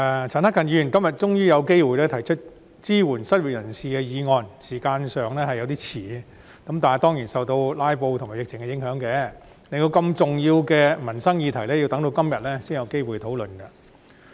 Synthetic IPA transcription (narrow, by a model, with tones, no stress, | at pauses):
t͡sʰaː˨˩nhɐ˥kʰːɐ˨nji˧y˨y˨˩nkɐ˥mjɐ˨˩t̚t͡ʃʊ˥ŋjyː˥jɐ˨˧wke˥jwuː˨jlɛː˥t̪ʰɐ˨˩jt͡ʃʰɵ˥t̚ | t͡siː˥wuː˨˩nsɐ˥t̚wuː˨˩jɐ˨˩nsiː˨kɛ˧jiː˨˧ŋɔː˧nsiː˨˩kaː˧nsœː˨ŋlɛː˥hɐ˨jɐ˧wt̪iː˥t͡sʰiː˨˩ | kɐ˨˥mt̪aː˨n˨˩t̪ɔː˥ŋjiː˨˩nsɐ˨wt̪o˧wlaː˥jpo˧wt̪ʰʊ˨˩ŋmaː˨jɪ˨k̚t͡sʰɪ˨˩ŋkɛ˧jɪ˨˥ŋɦœː˨˧˥ŋkɛː˧ | ne˧jt̪o˧wkɐ˧mt͡sʊ˨ŋjiː˧wkɛː˧mɐ˨˩nsɐ˥ŋjiː˧t̪ʰɐ˨˩jlɛ˥ji˧wt̪ɐ˥ŋt̪o˧wkɐ˥mjɐ˨t̚lɛː˥siː˥ŋjɐ˨˧wke˥jwu˨jt̪ʰo˨˥wlɵ˨nkɐ˧